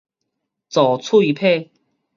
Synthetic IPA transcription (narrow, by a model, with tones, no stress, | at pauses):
t͡sɔ˨˩t͡sʰu˥˧i˧˦pʰe˥˧